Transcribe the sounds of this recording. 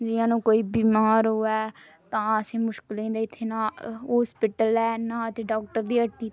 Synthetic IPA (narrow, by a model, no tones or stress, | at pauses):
d͡ʒɪjãːnũːkoːiːbiːmaːɾɦoːɛː | t̪ãːəsẽːmʊʃkɪlẽːnd̪aːɪt̪ʰːeːnãːɦoːspɪʈəlɛːnaːət̪eːɖaːk̚ʈəɾd̪iːəʈːiː